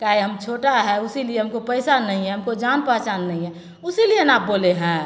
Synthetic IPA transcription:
kaiɦəmt͡ʃʰoːʈaɦɛʊsilieɦəmkopəɪsanːəɦĩɦɛ̃ɦəmkod͡ʒaːnpaɦt͡ʃaːnːəɦĩɦɛ̃ | ʊsilienaːp̚boːleɦɛ̃

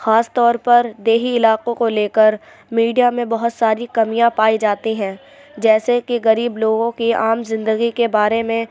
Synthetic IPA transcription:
xaːst̪ɔːɾpɐɾd̪eːɦiɪlaːqõkoleːkəɾ | miːɖijamẽbɐɦʊt̪saːɾikɐmijãpaːid͡ʒaːt̪iɦɛ̃ː | d͡ʒɛːsekiɣɐɾiːbloːɡõkiaːmzɪ̃nd̪əɡikebaːɾemẽ

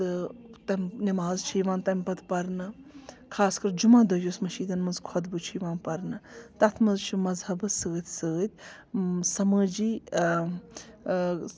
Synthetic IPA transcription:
ɨt̪ɐmʲnimaːzt͡ʃʰiːʋãːnt̪ɐmʲpɐt̪ʰpɐɾnɨ | kʰaːskɐɾd͡ʒumãːd̪ojoːsmɐʃiːd̪ɐnmɐnzkʰɔd̪bɨt͡ʃʰiːʋãːnpɐɾnɨt̪ɐt̪ʰmɐzt͡ʃʰumɐzhɐbɨsəːt̪ʰʲsəːt̪̚ʰʲ | sɐməːd͡ʒiː

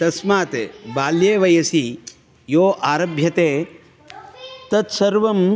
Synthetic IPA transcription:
t̪ɐsmaːt̪ebaːljeːʋɐjɐsi | joːʔaːɾɐbʱjɐt̪eː | t̪ɐt̪sɐɾʋɐm

